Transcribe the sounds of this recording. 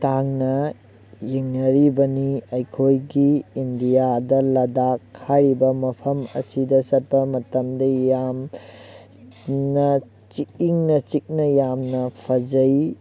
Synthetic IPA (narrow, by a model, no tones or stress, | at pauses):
taŋnɐ | jiŋnɐɾibɐniɐjkʰojɡiːndijadɐlɐdakʰːaɾibɐmɐpʰɐmɐ̰sidɐsɐt̚pɐmɐtɐmdɐjam | nɐ | t͡ʃikiŋnɐt͡ʃik̚nɐjamnɐpʰɐd͡ʒɐj